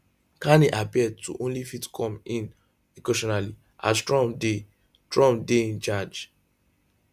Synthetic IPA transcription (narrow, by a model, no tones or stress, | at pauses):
kaniʔapiɛd̚tuʔõnlifitkʰɔ̃mĩn | ekeʃɔnali | ʔa̰stɹɔ̃mde | tɹɔ̃mdeĩnt͡ʃad͡ʒ